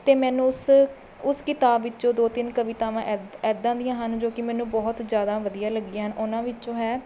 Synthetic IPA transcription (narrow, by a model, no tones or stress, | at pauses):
t̪eːmɛːnũːs | ʊskɪt̪aːbːɪt͡ʃõːd̪oːt̪ɪnkəʋɪt̪aːʋãːʔɛɛːd̪ãːd̪ɪjãːɦənd͡ʒoːkɪmɛ̃ːnũːbɔːt̪zjaːd̪aːʋəd̪ijaːləɡiãːɦənʔʊnãːʋɪt͡ʃt͡ʃõːɦɛː